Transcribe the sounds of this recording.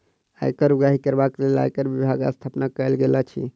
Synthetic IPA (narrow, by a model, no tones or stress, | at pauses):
aḛkəɾuɡaɦikəɾbaklela̰ekəɾʋibʱaɡa̰st̪ʰapnakəjlɡelat͡ʃʰḭ